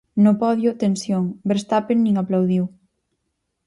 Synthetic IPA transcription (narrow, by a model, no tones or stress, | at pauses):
nopɔðjot̪ensjoŋbeɾst̪apenːĩŋaplawðiw